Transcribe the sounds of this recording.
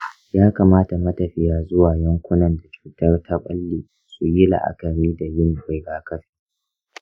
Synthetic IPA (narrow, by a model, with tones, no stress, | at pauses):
jaː˦kaː˨maː˦ta˨mɐ˦tɐ˨ɸɪ˦jaː˦zʊ˦waː˨jɐ˦ŋkʷʊ˦nɐ˨nda˨t͡ʃu̥ː˨tɐ˦rtʰa˦ɓʼɐ̰˦lːiː˨ | su˨jɪ˦la̰˨ʔa̰˦˨kɐ˨ɾiː˦da˨jɪ˦n˨ɸa˨jɡaː˨kɐ˦ɸi̥ː˨